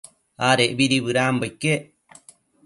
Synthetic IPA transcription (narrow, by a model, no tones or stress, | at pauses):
aɾeʔbiɾiβɨɾaːmbajkːeʔ